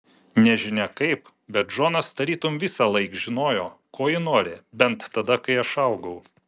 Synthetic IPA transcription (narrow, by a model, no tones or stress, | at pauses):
nʲɛʒʲɪnʲɛkɐɪp | bʲɛt̪ʒoːnɐsd̪ɐɾʲiːt̪ʊmʋʲɪsɑːlˠɐɪkʒʲɪnoːjoːkoːjɪnoːɾʲɪbʲɛnt̪ːɐd̪ɐkɐɪɐʃɐʊɡɐʊ